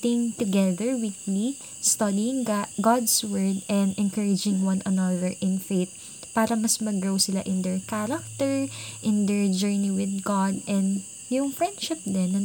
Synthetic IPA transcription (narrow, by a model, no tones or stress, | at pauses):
t̪ɪŋt̪ʊɡɛðɛɹwikli | st̪ɐd̪iɪŋɡad̪swɛɹd̪ɛ̃nd̪ʔɛnkɐɹɪd͡ʒɪ̃ŋwɐ̃nʔɐnɐðɛɹʔɪ̃nfeɪt̪̚ | paːɾɐmɐsmɐɡɹowsɪlaʔɪ̃nd̪ɛɹkaɾɐk̚t̪ɛɹʔɪ̃nd̪ɛɹd͡ʒɛɹniwɪðɡad̪ʔɛ̃nd̪ | jʊŋfɹɛnd̪ʃɪp̚d̪ɛnːɐ